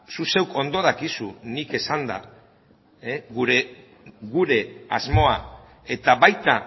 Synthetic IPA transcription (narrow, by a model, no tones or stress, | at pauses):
suse̞wko̞nd̪o̞ðakisunike̞sand̪a̰ | eɣuɾe | ɣuɾe̞a̰zmo̞a | e̞t̪aβajt̪a